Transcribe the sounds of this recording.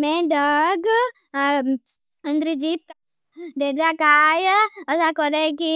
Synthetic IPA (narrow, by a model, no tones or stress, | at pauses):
mẽɖəɡ | ə̃nd̪ɾid͡ʒit̪ | ɖ̪eːd̪akaːjəsakəɾeki